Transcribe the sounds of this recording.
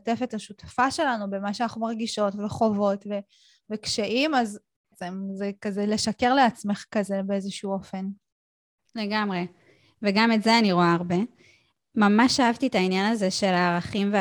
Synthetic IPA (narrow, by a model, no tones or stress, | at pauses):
te̞fetaʃutḁfaʃe̞lanube̞maʃeanaχumaʁɡiʃo̞tveχo̞vo̞tve̞ | vekʃeʔimaz | t͡semzekazele̞ʃake̞ʁleat͡sme̞χkaze̞be̞ezeʃuo̞fe̞n | le̞ɡamʁe | veɡametzeaniʁoaːʁbe̞ | mamaʃaavtietainjanazeʃe̞laːʁaχimve